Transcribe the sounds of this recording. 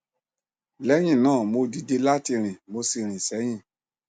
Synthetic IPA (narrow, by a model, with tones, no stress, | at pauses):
lɛ˨˦j̃ĩ˦˨nãː˦˨mo˧di˧de˧la˦ti˧ɾ̃ĩ˨mo˧si˧˨ɾ̃ĩ˨sɛ˨˦j̃ĩ˦˨